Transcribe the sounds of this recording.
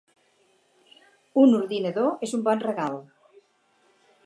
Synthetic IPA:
unuɾðineðoezumbɔnreɣal

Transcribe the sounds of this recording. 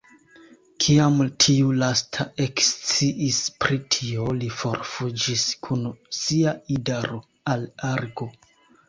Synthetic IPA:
kʰiamtʰiulastʰaʔe̞kst͡siʔispɾitʰio̞lifo̞ɾfud͡ʒiskʰunsiaidaɾo | alaɾɡo̞

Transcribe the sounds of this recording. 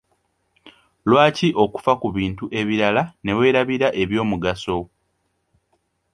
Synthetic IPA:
lwaːciʔo̞ku̥fakuβiːntuʔe̞βiɾalane̞we̞ːɾaβiɾaʔe̞βjo̞ːmuɡaso̞

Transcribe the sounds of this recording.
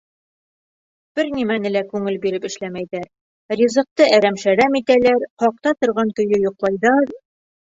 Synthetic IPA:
b̥ɘɾnimænɘ̆lækʉŋɘlbiɾɘpɘ̆ʃlæmæjðæɾ | ɾʲizɤ̆q̚t̪ɤæɾæmʃæɾæmit̪ælæɾqɒq̚t̪ɑt̪ŏɾʁɑŋkɵ̆jɵjŏqlˠɑjðɑɾ

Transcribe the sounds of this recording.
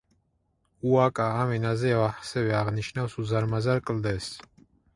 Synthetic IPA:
uakʼaːmɛnazɛɛvaħsɛvɛaʁniʃnafsuzaɾmazaɾkʼld̪ɛs

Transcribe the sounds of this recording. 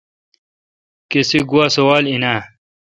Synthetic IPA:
kesiɡuwaːsowaːlina

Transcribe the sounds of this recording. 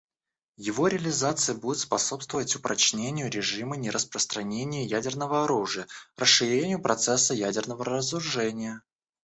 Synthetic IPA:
jɪvo̞ɾʲɪəlʲɪzat̪sɨjəbudʲɪt̪spɐso̞pst̪vəvətʲʊpɾʔɐt͡ɕnʲenʲɪjʊɾʲɪʐɨmənʲɪɾʔəspɾəst̪ɾɐnʲenʲɪjəjædʲɪrnəvəɐɾuʐɨjərəsːɨɾʲenʲɪjʊpɾʔɐt̪sɛsːəjædʲɪrnəvəɾəzɾʊʐɛnʲɪjə

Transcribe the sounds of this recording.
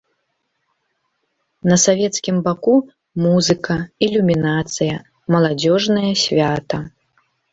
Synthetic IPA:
nɐsavʲɛt̪skʲimbaku | muzɨkɐilʲumʲinat̪sɨjɐ | mɐlˠad͡zʲɔʐnɐjɐsʲvʲat̪ɐ

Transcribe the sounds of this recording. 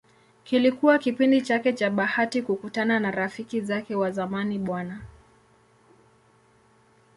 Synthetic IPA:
kilikuwakipindit͡ʃakɛt͡ʃaɓahatikukutananaɾafikizakɛwazamaniɓwana

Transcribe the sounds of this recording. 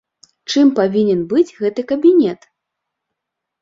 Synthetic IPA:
t͡ʂɨmpavʲinʲɛnbɨd͡zʲɣɛt̪ɨkɐbʲinʲɛt̪

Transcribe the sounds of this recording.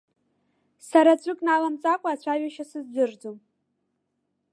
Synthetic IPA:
saɾat͡ɕʷʼɨkʼnalamt͡sʼakʷʼaaːt͡ɕʷʰaɥaʃasɨzdɨrd͡zom

